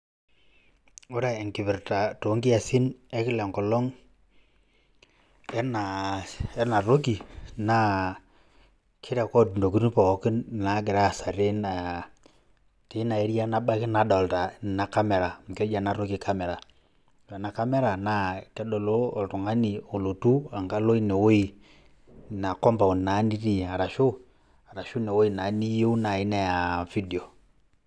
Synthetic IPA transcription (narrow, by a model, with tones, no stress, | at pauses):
ʊ˦ɾa˨e˨ŋkɪ˨βɪ˨ɾta˨to˨˦ŋɡi˦a˨si˦nɛ˦kɪ˦lɛ˨ŋkɔ˨lɔ˦ŋ | ɛ˦na˨ɛ˦na˨ɾo˦k̬i˨na˦ | kʰɪ˦ɾɛ˨kɔ˦˨du˨ndo˨ki˦n˦pɔ˨˦ki˦n˨na˨˦ɡɪ˨ɾa˦˨sa˨ɾe˦na˨ | te˨˦na˨e˦ɾi˦a˦na˦ba˦ki˦na˨˦dɔ˨lta˨na˨ka˦mɛ˨ɾa˨m̩˨kɛ˦d͡ʒa˨na˦ɾo˦ki˦ka˦mɛ˨ɾa˨ | ɾa˨na˨ka˦mɛ˦ɾa˨na˨˦tɛ˦dɔ˨loː˦˨ltu˨ŋa˦ni˨o˨lo˨tu˦a˨ŋɡa˦lo˦i˦ne˨wo˦i˨ | na˨kɔ˦mba˨o˨n˨na˨˦ni˦ɾi˦˨a˨ɾa˨ʃʊ˦ | a˨ɾa˨ʃu˦ne˨wo˦i˨na˨˦ni˦jo˦u˦na˨i˦nɛ˦ja˨fi˦di˨o˨